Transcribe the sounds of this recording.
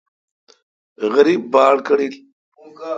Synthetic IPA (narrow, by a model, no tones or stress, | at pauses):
ɣɐɾibːɑːɽkəɽil